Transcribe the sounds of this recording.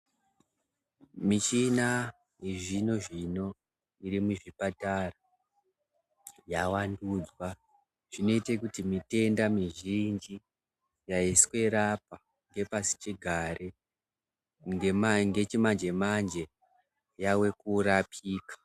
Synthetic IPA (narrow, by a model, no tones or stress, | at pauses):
mit͡ʃina | eʐino̞ʐino̞ | iɾimuʐipatara | jawandud͡zwa | ʐ̥ino̞itekutimite̞ndamiʒind͡ʒi | jaiskwe̞ɾap̚a | ŋɡe̞pasi̥t͡ʃiɡʱaɾʔe | emaŋɡe̞t͡ʃimand͡ʒe̞mand͡ʒe̞ | jawe̞kuɾapʰiːkḁ